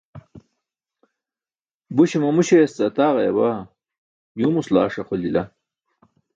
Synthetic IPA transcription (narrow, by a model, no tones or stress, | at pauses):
buɕimɐmuɕest͡sɐt̪aːʁɐjɐba | juːmusla̰ːʂɐqolilɐ